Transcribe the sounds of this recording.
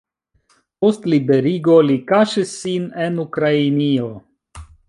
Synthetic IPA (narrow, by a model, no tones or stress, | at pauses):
po̞stlibe̞ɾiɡo̞likaʃisːine̞nukɾainio̞